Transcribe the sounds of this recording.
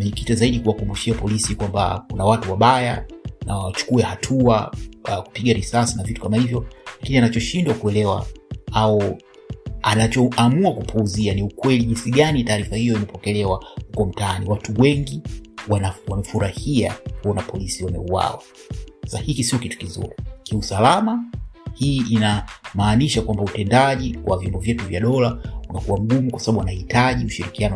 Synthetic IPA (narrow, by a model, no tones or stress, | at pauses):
mɛɲɛkitizaiɗikuwakumbuʃiapɔlisikwamba̰kunawatuwaɓaja̰nawat͡ʃu̥kuɛhatʰuaku̥piɠaɾisasinavitu̥kamahivjɔlakinianat͡ʃɔʃindwakuɛlɛwa̰aɔ | anat͡ʃɔamuakupʰuːzianiukwɛliʄinsiɠanitaːɾifahijɔimɛpɔkɛlɛwahukɔm̩taaniwatuwɛŋɡiwanawamɛfuɾahia̰kuɔnapɔlisiwamɛ̰uwa̰wa̰ | sasahikisiɔkitu̥kizṵɾikiusalamahiːʔinamaːniʃakwambautɛndaʄiwa̰vjɔmbɔvjɛtuvjaɗɔlaunakuwam̩ɡumukwasaɓaɓuwanahitaʄiuʃiɾikianɔ